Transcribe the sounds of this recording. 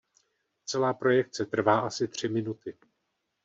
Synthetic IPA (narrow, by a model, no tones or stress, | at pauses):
t͡sɛlaːpɾo̞jɛk̚t͡sɛt̪r̩vaːʔasɪt̪r̝̥ɪmɪnut̪ɪ